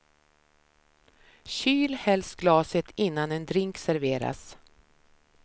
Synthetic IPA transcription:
ɕyːlhɛlsɡlɑːsət̪ʰɪnːanɛnd̪ɾɪŋksæɾveːɾa̰s

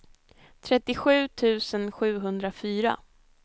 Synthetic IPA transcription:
t̪ʰɾɛt̪ːɪɧʉ̟ːt̪ʰʉ̟ːsənɧʉ̟ːɦɵnd̪ɾafyːɾa̰

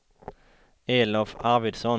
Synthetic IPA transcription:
eːlɔfɑʁʋɪd̪sɔn

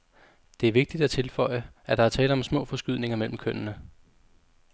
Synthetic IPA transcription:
d̥e̝æɐʋe̝ɡ̥̚d̥id̥æt͡sʰe̝lfɒ̽ɪ̰əʔæd̥ɑ̈æɐt͡sʰɛːləɒ̽msmɔ̰̽ːfɒ̽sɡ̥yð̞̰ˠne̝ŋɐmel̰m̩kʰøn̰ənə

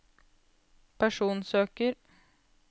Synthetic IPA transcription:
pʰæʂuːnsøːkəɾ

